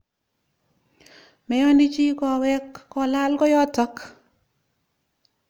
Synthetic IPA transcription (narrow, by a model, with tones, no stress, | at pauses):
mɛ˨jɔ˦ndi˦t͡ʃi˦kɔ˨wɛ˦kːɔ˨la˦lkɔ˦jɔ˦tɔ˦k